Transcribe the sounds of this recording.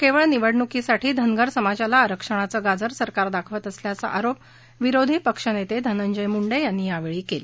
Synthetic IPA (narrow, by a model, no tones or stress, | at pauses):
keʋəɭniʋəɽɳukisaʈiːd̪ʱənɡəɾsəmad͡ʑalaːɾəkʂəɽ̃at͡səːɡad͡zəɾsəɾkaɾd̪akʰʋət̪əsljat͡sa̰ʔaɾop̚ | ʋiɾod̪ʱiːpəkʂənet̪ed̪ʱənəɲd͡ʑəjmuɳɖəjjanːiːjaʋeɭiːkel